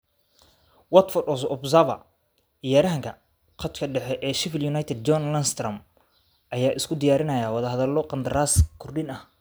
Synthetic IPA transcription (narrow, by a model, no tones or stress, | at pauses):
wɐt̪fɔdɔsɔbsɐvɐ̰ | ɪjaːɾɐɦɐŋkʰɐ | qɐt̪kʰɐɖɛħɛʔɛːʃɪfɪljʊnajt̪ʰɛd̪̚d͡ʒɔnlɐnst̪rɐm | ʔɐjaːʔɪskʰʊd̪ɪjaːɾɪnɐjaːwɑðɐɦɐðɐlɔqɑnd̪ɐɾaːskʰʊrɖɪnɐh